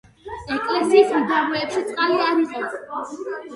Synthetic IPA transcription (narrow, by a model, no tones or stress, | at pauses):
ɛkʼlɛsiːsmd̪aɾwɛːpʃit̪sʼqʼaliaɾiqʼɔ